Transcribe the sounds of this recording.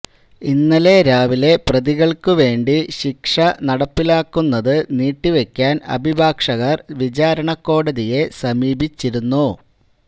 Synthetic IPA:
inːɐle̞ɾaːʋile̞prɐðiɣɐɭkɨʋe̞ːɳɖiɕikʂɐnɐɽɐpːilaːkːunːɐðɨniːʈːiʋe̞kʲːaːnɐ̰bʱibʱaːkʂɐɣɐrʋid͡ʑaːɾɐɳɐkːo̞ːɽɐðije̞sɐmiːbʱit͡ɕːiɾunːu

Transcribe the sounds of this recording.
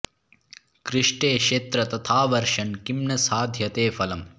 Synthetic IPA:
kɾɪʂʈeːʃeːt̪ɾɐt̪ɐt̪ʰaːʋɐɾʂɐnkimɳɐsaːd̪ʱjɐt̪eːfʰɐlɐm

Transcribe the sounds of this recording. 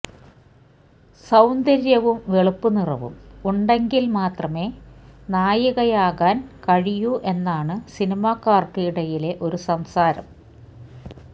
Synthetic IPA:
sɐwnd̪ɐɾjɐʋumʋeɭupːunirɐʋṵmuɳɖe̞ŋɡilmaːt̪rɐme̞ːnaːjɐɣɐjaːɣaːnkɐɻijuʔe̞nːaːɳɨsinimaːkaːrt̪iiɽɐjile̞ʔo̞ɾusɐmsaːɾɐ̰m

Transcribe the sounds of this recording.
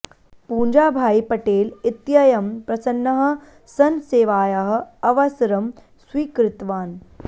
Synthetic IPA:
puːɲd͡ʒaːbʱaːipɐʈeːlit̪jɐjɐmpɾɐsɐnːɐɦɐ̆ | sɐnseːʋaːjɐɦɐ̆ɐʋɐsɾɐm | swiːkɾɪt̪ʋaːn

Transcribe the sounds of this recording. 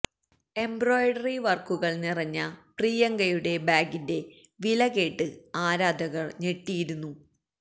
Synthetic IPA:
e̞mbroːjɖɐriʋɐrkuɣɐɭnirɐɲːɐpriːjɐŋɡɐjuɽe̞baːɡinde̞ | ʋilɐɣe̞ːʈːɨaːɾaːd̪ɐɣɐɭne̞ʈːijiɾunːu

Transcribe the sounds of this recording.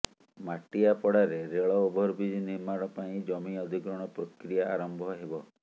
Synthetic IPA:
maʈijapɔɽaɾeɾeɭɔobʱɔɾbid͡ʒ̪iniɾmaɾɔpaĩd͡ʒɔmiɔd̪ʱiɡɾɔɽ̃ɔpɾokɾijaaɾɔmbʱɔɦebɔ

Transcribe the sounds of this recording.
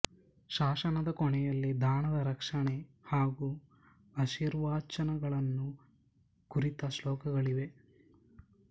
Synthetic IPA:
ʃaːʃɐnɐd̪ɐkɔɳɛjɐlːid̪ʱaːɳɐd̪ɐɾɐkʂɐɳehaːɡu | ɐʃiːɾʋaːt͡ʃɐnɐɡɐɭɐnːu | kuɾit̪ɐʃlɔːkɐɡɐɭiʋe̞

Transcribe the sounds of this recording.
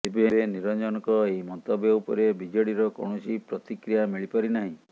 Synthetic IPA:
epieɾeniɾɔd͡ʒɔnɔkɔeɦimɔnt̪ɔbeupɔ̰ɾebid͡ʒɔɽiɾɔkɔ̰ɳ̃ɔsʰipɾɔt̪ikɾijamiɭipaɾinaɦĩ

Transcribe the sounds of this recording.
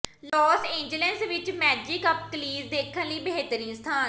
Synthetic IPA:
lɔːsẽːɲd͡ʒələnsʋɪt͡ʃmɛːd͡ʒɪkəp̚kəliːsd̪eːkʰːənləiːbəɦeːt̪əɾĩːst̪ʰaːn

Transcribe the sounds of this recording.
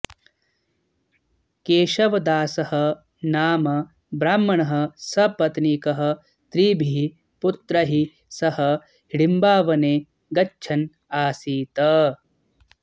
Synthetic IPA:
keːʃɐʋɐd̪aːsɐhɐ̆ | naːmɐ | bɾaːmːɐɳɐɦɐ̆sɐpɐt̪nikɐɦɐ̆ | t̪ɾiːbʱiɦ | put̪ɾɐɦi | sɐhɐ̆ | hiɽimbaːʋɐneː | ɡɐt͡ʃːt͡ʃʰɐn | aːsiːt̪ɐ

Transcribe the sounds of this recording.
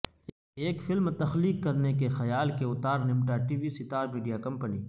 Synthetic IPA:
eːkfɪlmt̪ɐxliːkːɐɾnek̬exɐjaːlkeʊt̪aːɾnɪmʈaʈiːʋisɪt̪aːɾmiːɖijakɐ̃mpənḭː

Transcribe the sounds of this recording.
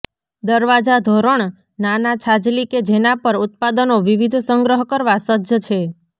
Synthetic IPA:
d̪əɾʋad͡ʒad̪ʱoɾəɳ | nanat͡ʃʰad͡ʒliked͡ʒenapəɾʊt̪̚pad̪ənoʋiʋid̪ʱsəŋɡɾəɦkəɾʋasədd͡ʒət͡ʃʰe

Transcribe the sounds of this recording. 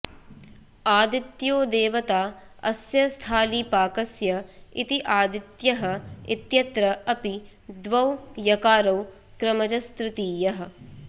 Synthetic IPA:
aːd̪it̪joːd̪eːʋɐt̪aː | ɐ̰sjɐst̪ʰaːliːpaːkɐsjɐḭt̪iʔaːd̪it̪jɐɦɐ̆it̪jɐt̪ɾɐɐpi | d̪ʋɐwjɐkaːɾɐw | kɾɐmɐd͡ʒɐst̪ɾɪt̪iːjɐɦɐ̆

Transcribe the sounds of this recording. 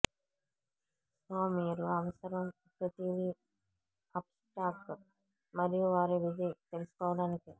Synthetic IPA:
saːmiːɾuɐʋɐsɐɾɐm | pɾɐt̪iʋi | ɐpsʈaːp | mɐɾijuʋaːɾuʋid͡ʒɐjt̪elɪsu̥kɔːʋɐɽaːniki

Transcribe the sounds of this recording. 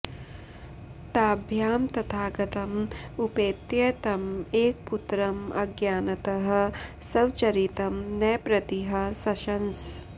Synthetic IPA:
t̪aːbʱjaːmt̪ɐt̪ʰaːɡɐt̪ɐmupeːt̪jet̪ɐmeːk̚put̪ɾɐmɐɡjaːnɐt̪ɐɦɐ̆sɐwt͡ʃɐɾit̪ɐmnɐjpɾɐt̪iɦɐ̆sɐʃɐns

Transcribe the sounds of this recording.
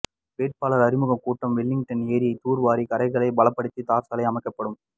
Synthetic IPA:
ʋeːʈ̚paːlɐɾɐɾɪmɯɣɐmkuːʈːɐmʋɪɭːɪŋɡʈɐneːɾɪjɐɪt̪uːɾʋaːɾikɐɾɐɪɣɐɭɐɪbɐlɐpːɐɽɯt̪ːit̪aːɾsɐːlɐɪɐmɐɪkːɐpːɐɽɯm

